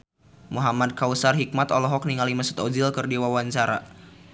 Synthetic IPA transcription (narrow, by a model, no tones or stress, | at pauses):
muɦamad̚kausarɦik̚mat̪ɔlɔɦɔk̚niŋalimasu̥t̪ɔd͡ʒilkɨrdiwawaɲt͡ʃaɾa